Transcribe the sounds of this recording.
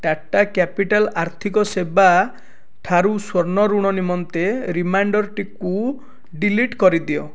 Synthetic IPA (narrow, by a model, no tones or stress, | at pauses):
ʈaʈːakapiʈalaɾt̪ʰikɔseba | ʈʰaɾuswɔɾnɔɾuɽ̃ɔnimɔnt̪eɾimaɳɖɔɾʈiku | ɖiliʈkɔɾid̪iɔ